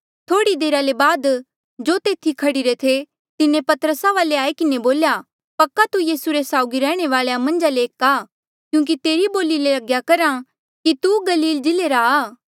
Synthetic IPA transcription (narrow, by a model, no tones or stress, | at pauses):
t̪ʰoːɽid̪eːɾalebaːd̪ | d͡ʒoːt̪eːt̪ʰikʰɐɽiɾet̪ʰe | t̪ɪnẽpɐt̪əɾəsaʋaːleaːikɪneboːlja | pɐkːat̪ujiːsuɾesaːʊɡiɾɛːɽ̃eʋaːɭejamɐ̃nd͡ʒaleːkaː | kjũːk̬it̪eːɾiboːlilelɐɡjakɐɾa | kit̪uɡɐliːld͡ʒɪleːɾaː